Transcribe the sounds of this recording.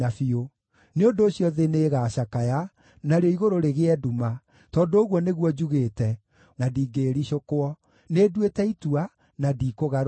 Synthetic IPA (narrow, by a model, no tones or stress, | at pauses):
afio | neondoːɕiɔðeneːɣaːɕakaja | naɾeɔiɣoɾoɾeɣeɛduma | tɔndoːɣwɔneɣwɔd͡ʒuɣeːtɛ | nadiːɡeɾiɕokoɔ | neːdwetɛitua | nadiːkoɣaɾ